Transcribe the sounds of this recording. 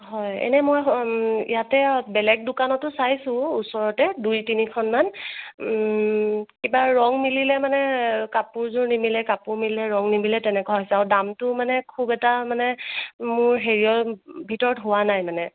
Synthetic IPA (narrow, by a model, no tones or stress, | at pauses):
ɦɔjɛ̰nɛmɔjḭjatɛbɛlɛɡ̚dʊkanɔtːʊsajsʊ̃usɔɹɔtɛdujtinikʰɔnman | kibaɹɔŋmililɛmanɛkapʊɹzʊɹnimilɛkapʊɹmililɛɹɔŋnimilɛtɛnɛkaɦɔjsɛaɹwdamtʊmanɛkʰubɛtamanɛmʊɹɦeɹijɔbʱitɔɹɔtɦʊwanajmanɛ